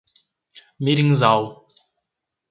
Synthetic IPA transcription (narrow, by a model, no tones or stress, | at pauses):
miɾĩŋzaw